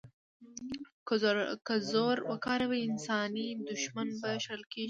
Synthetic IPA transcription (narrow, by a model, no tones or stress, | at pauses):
kkazoɾwakɑɾawaɪnsɑnid̪ʊʃmanbaʃlkeʒ